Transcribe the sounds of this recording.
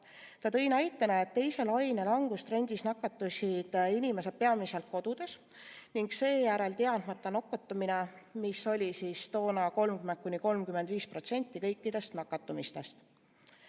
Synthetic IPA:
t̪ɑt̪ɤ̞jnɑjt̪ːˑɑnɑe̞t̪ːe̞jse̞lɑjnelɑŋɡ̥ust̪ɾe̞nʲd̪̥isnɑkːˑɑt̪ːˑusid̪̥inʲime̞se̞̥pe̞ɑmise̞lt̪̚ko̞d̪̥ud̪̥e̞s | niŋɡse̞ːjæɾe̞lt̪eɑd̪̥mɑt̪ˑːɑno̞kːˑot̪ːˑuminemisːo̞lʲisiːst̪o̞ːnɑko̞lmkyment̪̚kuniko̞lmkymed̪̥viːspro̞t̪se̞nʲt̪ːˑikɤjkːˑid̪̥e̞st̪nɑkːˑɑt̪ːˑumist̪e̞st̪

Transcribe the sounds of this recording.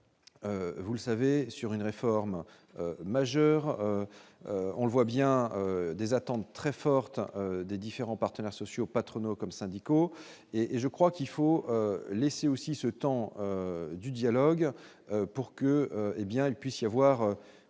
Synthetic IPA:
øvulsavesyʁynʁefɔʁm | ømaʒœʁø | ɔ̰̃ləvwabjɛ̃ød̪ezat̪ɑ̃t̪ːχɛfɔʁt̪ød̪ed̪ifeʁɑ̃paʁt̪ənɛʁsɔsjopat̪χɔnokɔmsɛ̃d̪iko | eʔeʒəkχwakilfoøleseosisət̪ɑ̃ød̪yd̪jalɔɡ | øpuʁkəøebjɛ̃ilpɥisjavwaʁø

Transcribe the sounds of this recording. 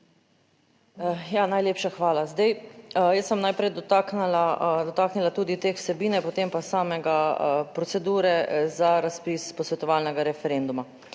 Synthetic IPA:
janajleːpʃaxʋaːlazd̪ɛjjəsɛmnajpɾɛjd̪ɔt̪aknalad̪ɔt̪aːknilat̪uːd̪it̪eːwsɛbiːnɛpot̪eːmpasaːmɛɡapɾɔtsɛd̪uːɾɛzaɾaspiːspɔsʋɛt̪ɔʋaːlnɛɡaɾɛfɛɾend̪uma

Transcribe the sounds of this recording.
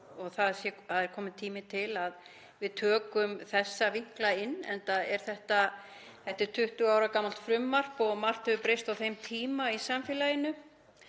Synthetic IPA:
ɔɣθaðsjɛaðɛɾ̥kʰɔːmɪt̪ʰiːmɪt̪ʰɪlað | vɪðt̪ʰœːkʏmθɛsːaviŋ̥klaɪnːɛ̰nt̪aɛɾ̥θɛht̪a | θɛht̪ɪɾ̥t̪ʰʏht̪ʏawɾakamːalt̪fɾʏmːar̥pɔɣmar̥t̪hɛvʏpɾejst̪awθejmt̪ʰiːmaisamfjɛːlajɪnʏ

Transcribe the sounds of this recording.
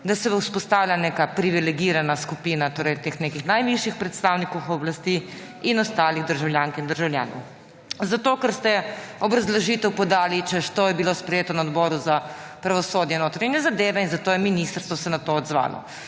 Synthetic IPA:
d̪asɛwuspɔst̪aːwlʲjaneːkapɾiʋilɛɡiɾanaskupiːnat̪oːɾɛjt̪eːxneːkixnajʋiʃjixpɾɛt̪st̪awnikowxɔblast̪i | inɔst̪aːliɣd̪əɾʒawljaːŋkind̪əɾʒawlʲja̰ːnɔ̰w | zat̪oːkɛɾst̪ɛɔbɾazlaʒiːt̪ɛwpɔd̪aːlit͡ʃɛʃt̪ojɛbilospɾɛjeːt̪ɔnaɔd̪bɔːɾuzapɾaʋɔsoːd̪jɛnoːt̪ɾaɲjɛzad̪eːʋɛinzat̪oːjɛminist̪əɾst̪ʋɔsɛnat̪oɔd̪zʋa̰ːlɔ̰

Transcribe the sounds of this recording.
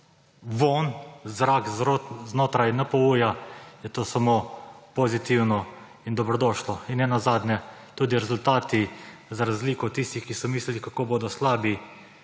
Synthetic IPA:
ʋoːnzɾakznoːt̪ɾajnapɔuːjajɛt̪oːsamoːpozit̪iwnɔ | ind̪ɔbɾɔd̪ɔːʃlɔinnɛnazaːd̪nʲjɛt̪uːd̪iɾɛzult̪aːt̪izaɾazliːkɔt̪t̪ːiːst̪ixkisɔmiːslilikakoːboːd̪ɔslaːbi

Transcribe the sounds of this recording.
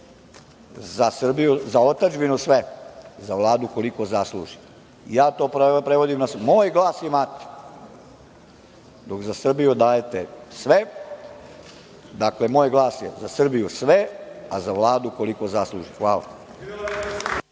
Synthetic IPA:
zasr̩bijuzaot̪ad͡ʒbinusʋezaʋlˠaːd̪uko̞likozaslˠṵʒi̥ | ḭjaːt̪o̞ːpɾpɾeʋo̞d̪imnasmoːjɡlˠaːsjemat̪e̥ | d̪o̞kzasr̩bijud̪aːjet̪esʋe | d̪aklemoːjɡlˠaːsjḛzasr̩bijusʋeazaʋlˠaːd̪uko̞liko̞zaslˠṵʒixʋaːla̰

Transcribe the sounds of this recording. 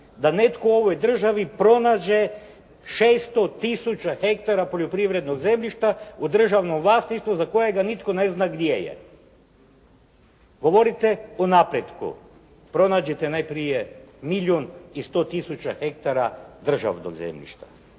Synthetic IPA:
d̪ane̞t̪koo̞ʋojd̪r̩ʒaʋipɾo̞naːd͡ʑe̞ | ʃest̪o̞t̪isut͡ɕaxe̞k̚t̪aɾapo̞ʎopɾiʋɾe̞d̪no̞ɡze̞mʎʲiʃt̪aud̪r̩ʒaʋnomʋlˠaːsniʃt̪ʋuzako̞jeɡanit̪ko̞ne̞znaɡd̪jejḛ | ɡo̞ʋoɾit̪e̞onapɾed̪kṵ | pɾo̞naːd͡ʑet̪enajpɾijemiʎonist̪o̞ːt̪isut͡ɕa̰xe̞k̚t̪aɾad̪r̩ʒa̰ʋno̰ɡzḛmʎḭʃt̪ḁ

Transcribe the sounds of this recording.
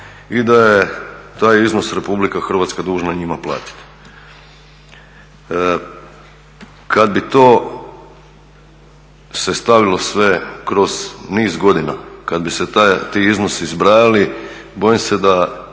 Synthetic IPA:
id̪ajet̪aːjizno̞sɾe̞publikaxr̩ʋaːt̪skad̪uːʒnaɲimaplˠa̰ːt̪i̥t̪ | kad̪̚bit̪oː | sest̪aʋilo̞sʋe̞kɾo̞zniːzɡo̞d̪ina̰kad̪biset̪at̪iizno̞sizbɾaːjali | bo̞jimse̞d̪a

